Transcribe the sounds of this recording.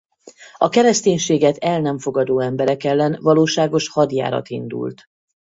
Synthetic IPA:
ɒkɛɾɛst̪eːɲʃeːɡɛt̪ɛlnɛɱfo̞ɡɒd̪oːɛmbɛɾɛkɛlːɛnvɒloːʃaːɡo̞ʃhɒd̪ja̰ːɾɒ̰t̪ḭnd̪ṵlt̪

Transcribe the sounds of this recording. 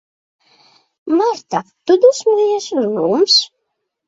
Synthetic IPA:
maɾt̪at̪ud̪usmijɛsuznums

